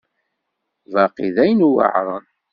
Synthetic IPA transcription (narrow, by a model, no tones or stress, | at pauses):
vɑqiðæjənuwə̰ʕɾˤən